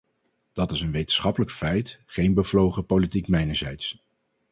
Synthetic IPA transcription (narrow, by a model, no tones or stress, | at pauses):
d̥ɑtɪsənʋejtən̥̩sχɑpələkfɛjtχejnbəvlowχəpolitikmɛjnəɹzɛjts